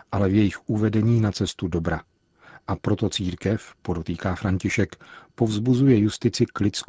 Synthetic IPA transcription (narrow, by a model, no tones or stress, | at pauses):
ʔalɛvjɛjɪxʔuvɛdɛɲiːnat͡sɛst̪udo̞bɾa | ʔapɾo̞t̪o̞t͡siːɾkɛfpodot̪iːkaːfɾaɲcɪʃɛkpo̞vzbuzujɛjust̪ɪt͡sɪklɪt͡sk